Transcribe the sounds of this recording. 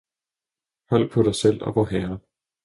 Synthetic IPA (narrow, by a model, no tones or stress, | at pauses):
hɒ̽l̰̥̚pʰɒ̽ɾɑ̈ɪsel̰ɒ̽ʋɒɦɛɐ